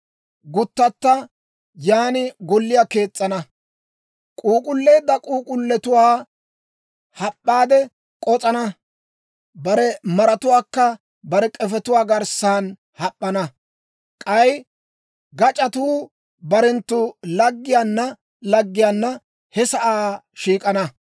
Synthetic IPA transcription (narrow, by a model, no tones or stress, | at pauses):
ɡʊt̪ːɐt̪ːɐ | jaːnɪɡɔlːɪjaːke̞ːt͡sʼːɐnɐ | kʼuːkʼʊlːe̞ːd̪ːɐkʼuːkʼʊlːɛt̪ʊwaː | hɐpʼːaːd̪ɛ | kʼɔt͡sʼɐnɐ | bɐɾɛmɐɾɐt̪ʊwaːkːɐ | bɐɾɛkʼɛfɛt̪ʊwaːɡɐɾsaːn | hɐpʼːɐnɐ | kʼɐj | ɡɐt͡ʃʼɐt̪uː | bɐɾɛnt̪ːʊlɐɡːɪjaːnːɐ | lɐɡːɪjaːnːɐ | hɛsɐʔaː | ʃiːkʼɐnɐ